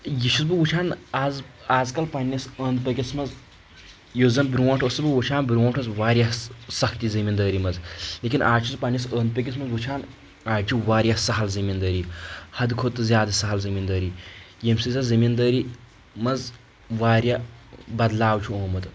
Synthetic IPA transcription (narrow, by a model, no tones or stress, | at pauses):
jiʃuzbɨʋut͡ʃʰaːnaːzaːzkɐlpɐnːɐsəːnd̪̚pɐkʲismɐz | joːzɐmbɾuʋõːʈʰosɨbɨʋut͡ʃʰaːnbɾʲoːɳʈʰɐzʋaːɾjasɐkʰt̪izɐmind̪əːɾimɐzleːkʲinʔaːt͡ʃʰuzpɐnjɐsəːnd̪̚pɐkʲis̬mɐzʋut͡ʃʰaːn | aːt͡ʃʰiʋaːɾʲjasɐɦɐlzɐmind̪əːɾihɐd̪kʰot̪ːɨzjaːd̪ɐsɐɦɐlzɐmind̪ɐːɾi | jemsizazɐmind̪əːɾi | mɐz | ʋaːɾjabɐd̪laːwt͡ʃʰuoːmɐt̪